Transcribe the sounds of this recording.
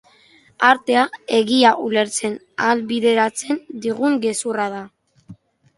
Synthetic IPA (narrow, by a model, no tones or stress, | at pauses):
aɾt̪e̞ae̞ɣiaʔule̞ɾt͡se̞n | alβiðe̞ɾat͡send̪iɣ̞uŋɡe̞surað̞a